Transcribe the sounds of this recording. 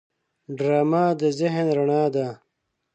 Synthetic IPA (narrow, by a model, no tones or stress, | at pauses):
ɖɾaːmaːd̪əzɪɦnɾɐɳaːd̪a